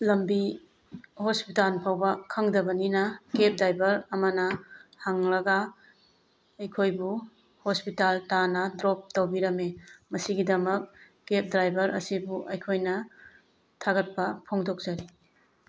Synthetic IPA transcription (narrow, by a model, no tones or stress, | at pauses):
lɐmbi | hospitanpʰawbɐkʰɐŋdɐbɐninɐkep̚dajbɐɾɐmɐnɐhaŋlɐɡɐ | ɐjkʰojbu | hospitaltanɐdɾop̚tɐwbiɾɐmemɐsiɡidɐmɐk̚ | kep̚dɾajbɐɾɐsibuʔɐjkʰojnɐ | tʰaɡɐt̚pɐpʰoŋdok̚z̥ɐɾi